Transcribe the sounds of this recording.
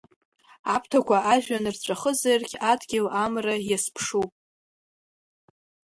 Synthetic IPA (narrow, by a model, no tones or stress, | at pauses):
apʰtʰakʷʰaʔaʒᶣanɨrt͡ɕʷʼaχəzarkʲʰadɡʲɪlamrajaspʰʂupʼ